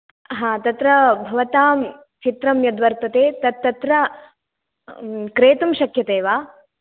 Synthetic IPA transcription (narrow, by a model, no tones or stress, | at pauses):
ɦãːt̪ɐt̪ɾɐbʱɐʋɐt̪aːm | t͡ʃit̪ɾɐmjɐd̪ʋɐɾt̪ɐt̪eːt̪ɐt̪ːɐt̪ɾɐ | kɾeːt̪ɐmʃɐkʰjɐt̪eːʋaː